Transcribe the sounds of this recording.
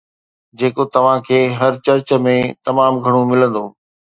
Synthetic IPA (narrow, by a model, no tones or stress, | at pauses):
d͡ʑeːkot̪ɐʋ̤ãkʰeːɦɐɾt͡ɕɐɾt͡ɕə̆mẽt̪ɐmaːmɡʱɐɽ̃omɪlə̃nd̪oː